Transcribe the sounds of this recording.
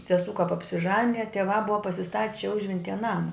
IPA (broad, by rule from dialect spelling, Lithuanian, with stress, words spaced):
sʲɛˈsuː kɐp ɐpʲsʲɪˈʒɑːnʲɪjɛ tʲiɛˈʋɑː ˈbʊʋɐ pɐsʲɪˈstɐtʲ t͡ʃʲɛ ˈʊʒʲʋʲɛnʲtʲiːjɛ ˈnɑːmɐ